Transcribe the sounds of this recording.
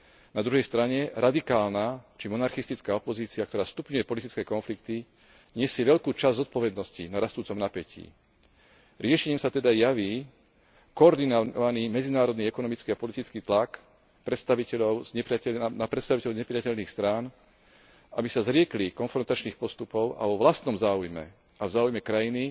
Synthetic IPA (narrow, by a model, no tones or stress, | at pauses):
nad̪ɾuɦɛjst̪ɾaɲɛɾad̪ikaːlnat͡ʃimɔnaɾxist̪it͡skaːɔpɔziːt͡siak̚t̪ɔɾaːst̪upɲujɛpɔlit̪it͡skɛːkɔnflikt̪i | ɲɪɛsɪɛʋɛʎkuːt͡ʃazzɔt̪̚pɔʋɛd̪nɔscḭnaɾast̪uːt͡sɔmnapɛcḭː | ɾɪɛʃɛɲiːmsat̪ɛd̪ajaʋiː | kɔɔɾd̪inɔʋaniːmɛd͡zinaːɾɔd̪niːɛkɔnɔmit͡skiapɔlit̪it͡skiːt̪lak | pɾɛt̪st̪aʋicɛʎɔʊzɲɛpɾɪaɛnapɾɛt̪st̪aʋicɛʎɔɲɛpɾɪacɛʎniːxst̪ɾaːn | abisazɾɪɛklikɔnfɾɔnt̪at͡ʃniːxpɔst̪upɔʊa̰ʋɔʋlast̪nɔmzaːujmɛ̰ | ʔavzaːujmɛkɾajini